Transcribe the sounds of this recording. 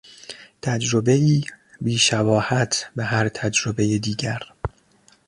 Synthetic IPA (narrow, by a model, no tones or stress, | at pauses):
t̪ʰæd͡ʒɾobe̞iː | biːʃæbɒːhæt̪ʰbeɦæɾt̪ʰæd͡ʒɾobejed̪iːɟæɾ